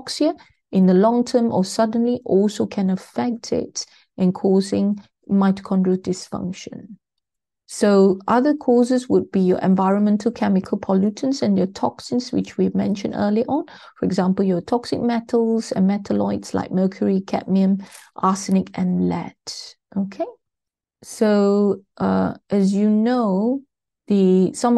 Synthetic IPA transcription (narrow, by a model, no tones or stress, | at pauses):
ksiə | ʔɪ̃nd̪əlɔ̃ŋtʰəmʔɔsadə̃nliʔɔlsokʰɛ̃nəfɛk̚tʰɪ̰t | ʔɛ̃nkʰɔːzɪ̃ŋ | maɪtə̥kʰɔ̃ndɹodɪsfʌ̰̃ŋkʃə̰̃n | soʔaðəkʰɔzəswʊd̚bijɔ̰ʔɛ̰̃nvaɪɹə̃nmɛ̃ntʰəlkʰɛmɪkʰəlpʰɔljutʰə̃nsɛ̃njɔtʰɔksɪ̃nswɪ̰t͡ʃwimɛ̰̃nʃə̃ndəːliəʔɔ̃nfɔɹɛɡzãmpəljɔtʰɔksɪ̰k̚mɛtʰəlsɛ̰̃nmɛtʰəlɔ̰ɪtsla̰ɪk̚mɜkʰjəɹikʰɛ̰ʔ̚miə̃mʔasənɪkɛ̃nlɛ̰t | ʔokʰe | soʔʌ̰ʔɛz̬juno | ðisãm